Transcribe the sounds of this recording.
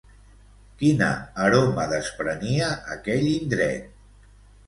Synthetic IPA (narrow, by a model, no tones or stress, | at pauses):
kinə̰ːɾoməðəspɾəniəʔːkɛʎind̪ɾɛ̰t̪̚